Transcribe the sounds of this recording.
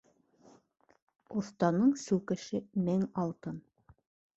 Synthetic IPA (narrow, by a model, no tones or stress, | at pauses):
ŏθt̪ɑnɤɴsʉwkɘ̆ʃɘmæŋɑlˠt̪ɤn